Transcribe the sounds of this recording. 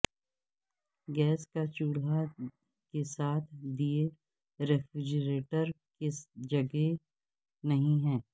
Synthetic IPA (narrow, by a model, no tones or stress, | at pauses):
ɡɛːskat͡ʃuːɽa | kesaːt̪ʰd̪ie | ɾɛfɾɪd͡ʒɾeːʈəɾ | ked͡ʒɐɡe | nɐɦĩɦɛ̃ː